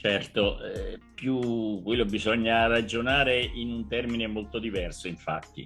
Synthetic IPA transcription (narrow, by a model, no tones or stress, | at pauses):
t͡ʃɛrt̪oʔɛpjukːwelːobizɔɲːarad͡ʒonaːɾeʔinunt̪ɛrminemolt̪od̪ivɛrsoiɱfa̰t̪ːḭ